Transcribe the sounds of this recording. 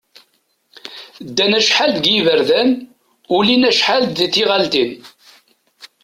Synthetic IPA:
d̪ːænæʃħald̪ɡjivəɾðæn | ulinæʃħald̪ðiθiʁalt̪in

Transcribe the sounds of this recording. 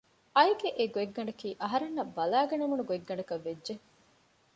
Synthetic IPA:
ɐiɡeʔeɡoeɡːɐɳɖɐkiːʔɐɦɐɾenːɐbːɐlæːɡɐnemunuɡoeɡːɐɳɖɐkɐʋːedːʒe

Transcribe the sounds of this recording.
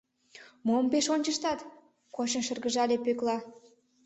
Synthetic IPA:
mompeʃonʲt͡ɕəʃt̪ɑt̪ | kot͡ɕə̆nʃə̆rɣə̆ʒɑlʲepøklɑ

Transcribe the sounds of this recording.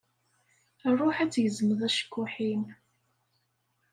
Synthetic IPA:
ərˤːoħæt͡sːjəzəməðˤæʃə̥kːʊħin

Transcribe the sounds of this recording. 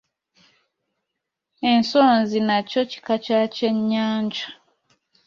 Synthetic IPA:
e̞nsoːnzinaco̞ci̥kat͡ʃaceɲːaːɲd͡ʒa

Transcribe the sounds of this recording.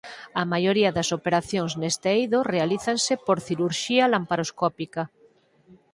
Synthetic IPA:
ɐmajoɾiɐðɐsopeɾaθjoŋznest̪eejðorealiθaŋsepoɾθiɾuɾʃialampaɾoskɔpika

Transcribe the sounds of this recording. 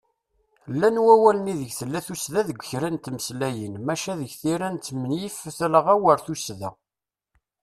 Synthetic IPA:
lːænwæwælniðəʝθəlːæθusðæðəɡʷːçɾænt̪məslæjənmæʃæðəʝθiɾænt̪ːmənjifθlʁæwəɾθusðæ

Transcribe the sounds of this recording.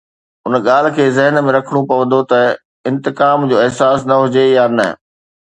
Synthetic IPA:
ʊnɠaːl̤ɪ̆kʰeːzɐɦɪnmẽɾɐkʰəɽ̃ũpɐʋə̃nd̪ot̪ɐ | ɪ̃nt̪ɪkaːmd͡ʑoːɪɦsaːsnɐɦʊd͡ʑejaːnɐ̰

